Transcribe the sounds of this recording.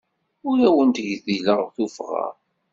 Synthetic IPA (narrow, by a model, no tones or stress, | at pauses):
ʊɾæwənt̪əʝðiləʁθufʁɑ̰